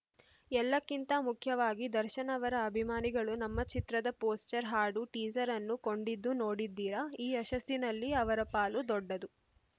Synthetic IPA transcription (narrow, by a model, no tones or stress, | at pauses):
ɛlːɐkːint̪ɐmukʰjɐʋaːɡid̪ɐɾʃɐnɐʋɐɾɐːbʱimaːniɡɐɭunɐmːɐt͡ʃit̪ɾɐd̪ɐpoːst͡ʃɐɾɦaːɖuʈiːd͡ʒɐɾɐnːuko̞ɳɖid̪ːuno̞ːɽid̪ːiːɾɐiːɛʃɐst̪inɐlːiɐʋɐɾɐpaːlud̪ɔɖːɐd̪u